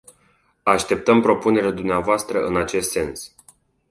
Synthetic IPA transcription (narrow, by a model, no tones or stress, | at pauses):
aʃt̪e̞p̚t̪əmpɾo̞pune̞ɾad̪umneavoast̪ɾəʔɨnat͡ʃe̞st̪se̞ns